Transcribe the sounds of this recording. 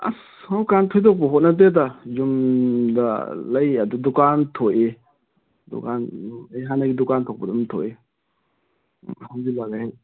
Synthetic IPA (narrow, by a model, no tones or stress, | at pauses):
a̰s | hawkantʰojtʰok̚pɐɦot̚nɐt̬et̬azumdɐ̰lɐjɐdudukantʰoʔe | dṵkanajɦanɐɡidukantʰok̚pɐdumtʰoe | hawzilaɡahaj